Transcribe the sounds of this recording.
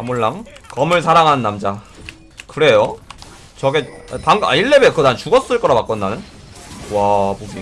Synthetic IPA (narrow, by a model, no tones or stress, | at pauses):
amuɭːaŋkʌmɯɭsʰaɾaŋɦanːamd͡ʑa | kɯɾe̞jo | t͡ɕʌɡetaŋa̰iɭːebekɯtant͡ɕuɡʌs͈ɯɭk͈ʌɾapak͈ʌnːanɯn | wapubi